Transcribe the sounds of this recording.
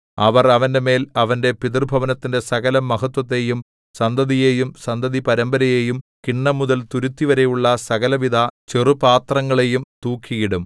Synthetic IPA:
ɐʋɐrɐʋɐnde̞me̞ːlɐʋɐnde̞piðirbʱɐʋɐnɐt̪ːinde̞sɐɣɐlɐmːɐɦɐt̪wɐt̪̬ːe̞jum | sɐnd̪ɐðijeːjumsɐnd̪ʱɐðipɐɾɐmbɐɾɐje̞ːjumkiɳːɐmːuðɐlt̪uɾut̪ːiʋɐɾe̞juɭːɐsɐɣɐlɐʋid̪ʱɐt͡ɕerupaːt̪rɐŋːɐɭe̞jumt̪uːkʰːijiɽum

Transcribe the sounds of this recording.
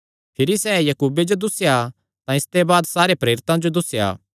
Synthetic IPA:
pʰɪɾisɛːjɐkuːbed͡ʒod̪ʊsːja | t̪ãɪst̪ebaːd̪saːɾepɾeːɾɪt̪ãd͡ʒod̪ʊsja̰ː

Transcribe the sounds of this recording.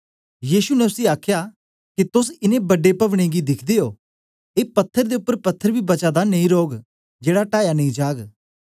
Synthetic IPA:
jiːʃunɛʊsiaːkʰjaː | kit̪ʊs̬ɪnẽbɐɖepɐʋɽ̃ẽːɡid̪ɪkʰd̪eːoː | eːpɐt̪ʰːəɾd̪eːʊpːəɾpɐt̪ʰːəɾbʱibɐt͡ʃaːd̪anɐ̃ĩɾoːɡ | d͡ʒeːɽaʈaːjanɐ̃ĩd͡ʒaːɡ

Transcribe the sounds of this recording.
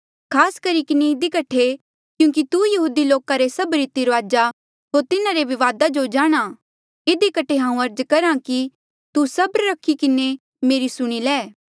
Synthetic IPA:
kʰaːskɐɾikɪneɪd̪ikɐʈʰe | kjũːk̬it̪ujɐɦuːd̪iloːkaɾesɐbɾɪt̪iɾʋaːd͡ʒa | ɦoːɾt̪ɪnaɾeʋɪʋaːd̪ad͡ʒod͡ʒaːɽ̃a | ɪd̪ikɐʈʰeɦãːũɐɾd͡ʒkɐɾãki | t̪usɐbɾːɐkʰːikɪne | meːɾisʊɽ̃ilɛː

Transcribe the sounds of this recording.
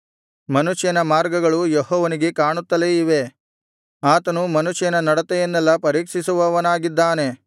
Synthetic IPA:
mɐnuʂjɐnɐmaːɾɡɐɡɐɭujɔɦɔːʋɐniɡe̞kaːɳut̪ːɐleiʋe̞ | aːt̪ɐnumɐnuʃjɐnɐnɐɽɐt̪ɛjɐnːɛlːɐpɐɾiːkʂisuʋɐʋɐnaːɡid̪ːaːne̞

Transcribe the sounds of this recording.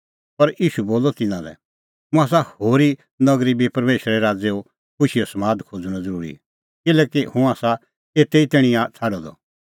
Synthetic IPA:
pɐɾiːʃuboːlɔt̪ɪnãlɛ̰ | mũaːs̬ahoːɾi | nɐɡɾibʱipɐɾmeːʃɾɛɾaːd͡zeːo | kʰʊʃiɔsɐmaːd̪kʰoːd͡zũnãd͡zɐɾuːɾḭ | kɪlɛːkihũaːsa | eːt̪eit̪eːɽ̃ĩjãt͡sʰaːɖɔd̪ɔ̰

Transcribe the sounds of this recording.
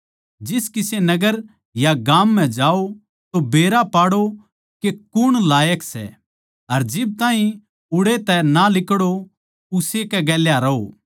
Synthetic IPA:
d͡ʒɪskɪsenɐɡəɾ | jaɡaːmːɛ̃d͡ʒaːo | t̪obeːɾapaːɽo | kekʊɽ̃laːjəksɛ̰ | ɐɾd͡ʒɪb̚t̪ãːɦĩ | ʊɽet̪ɛnalɪkɽo | ʊsekɛɡɛːljaɾɐɦo̰ː

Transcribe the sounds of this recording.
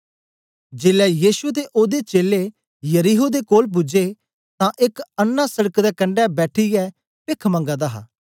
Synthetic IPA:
d͡ʒeːlɛːjiːʃut̪eːʔoːd̪eːt͡ʃeːle | jəɾiːɦod̪eːkoːlp̬ʊd͡ʒeː | t̪ãːʔɪkənːãːsəɽəkd̪ɛːkə̃ɳɖɛːbɛːʈʰijɛː | pɪkʰmə̃ŋɡaːd̪aːɦa̰ː

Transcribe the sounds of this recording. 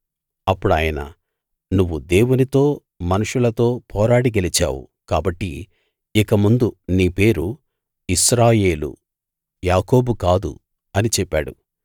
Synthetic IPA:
ɐpːuɽaːjɐnɐ̰ | nuʋːud̪e̞ːwunit̪o̞ː | mɐnuʂulɐt̪o̞ːpʰɔːɾaːɽiɡɐlit͡ʃa̰ːwṵ | kaːbɐʈːiː | kɐmund̪uniːpe̞ːɾu | iʃɾaːje̞ːlṵ | jaːko̞ːbukaːd̪ṵ | ɐnit͡ʃɛpːa̰ːɽṵ

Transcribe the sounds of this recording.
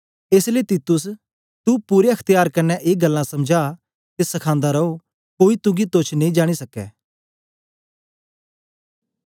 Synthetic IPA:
eːsleːt̪iːt̪ʊs̬ | t̪upuːɾeɐkʰt̪ɪjaːɾkɐnːɛʔeːɡəlːãsɐmd͡ʒaː | t̪esɐkʰãːnd̪aɾɐo | koːit̪ʊɡit̪ot͡ʃʰneĩd͡ʒaːɽ̃isɐkːɛ̰ː

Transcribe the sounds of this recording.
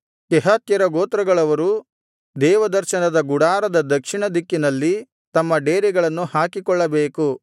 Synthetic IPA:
kɛɦɐt̪jɐɾɐɡoːt̪ɾɐɡɐɭɐʋɐɾu | d̪ɛːʋɐd̪ɐɾʃɐnɐd̪ɐɡuɽaːɾɐd̪ɐd̪ɐkʂiɳɐd̪ikːinɐlːi | t̪ɐmːɐɖeːɾiɡɐɭɐnːuhaːkikɔɭːɐbeːku

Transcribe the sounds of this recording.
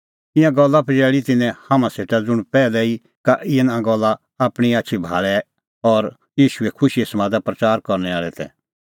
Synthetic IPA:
ɪ̃jãɡɔlːapʰɐd͡ʒɛːɭit̪ɪnɛ̃hãmãseːʈad͡zʊɽ̃pɛːlɛi | kaʔɪɛ̃nãɡɔlːa | aːpɽ̃iaːʃʰibʱaːɭɛ | ɔɾ | jiːʃuɛkʰʊʃiesmãːd̪apɾɐt͡ʃaːɾkɔɾnɛaːɭɛt̪ʰɛ̰

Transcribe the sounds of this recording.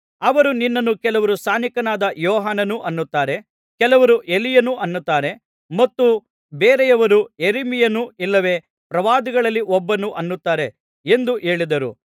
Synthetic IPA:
ɐʋɐɾuninːɐnːukɛlɐʋɐɾust̪aːnikɐnaːd̪ɐjɔːɦaːnɐnuʔɐnːut̪ːaːɾe̞ | kɛlɐʋɐɾuʔelijɐnuʔɐnːut̪ːaːɾe̞ | mɐt̪ːu | beːɾɛjɐʋɐɾujeɾimijɐnuilːɐʋe̞ː | pɾɐʋaːd̪iɡɐɭɐlːiʔɔbːɐnuʔɐnːut̪ːaːɾe̞ | end̪uʔe̞ːɭid̪ɐɾṵ

